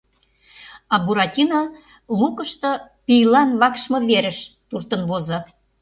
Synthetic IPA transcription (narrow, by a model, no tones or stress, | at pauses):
ɑbuɾɑtʲinɑ | lukəʃt̪ɤ̆pijlɑnβɑkʃmɤ̆βeɾə̆ʃt̪urt̪ə̆nβozɤ̆